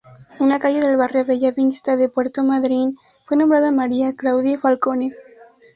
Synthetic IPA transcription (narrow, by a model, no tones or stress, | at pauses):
unakajeðelβareaβeʎaβinst̪aðepwɛɾt̪omaðɾin | fwenõmbɾaðamaɾiaklawðjefalkone